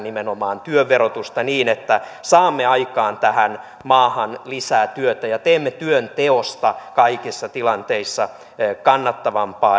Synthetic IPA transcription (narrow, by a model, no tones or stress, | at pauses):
nimenomɑːnt̪yøːeɾot̪ust̪ɑniːnet̪ːæsɑːmːeɑikɑːnt̪æhæn | mɑːhɑnlisæːt̪yøt̪æjɑt̪eːmːet̪yønt̪eost̪ɑkɑikisːɑt̪ilɑnt̪eisːɑ | kɑnːɑt̪ːɑʋɑmpɑː